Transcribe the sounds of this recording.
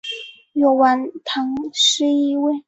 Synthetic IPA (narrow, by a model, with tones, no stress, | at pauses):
jo˨˩ʊwa˧˥nt̪ʰɤ˧˥ŋʂɻ̩˥˧i˥we˥˩ɪ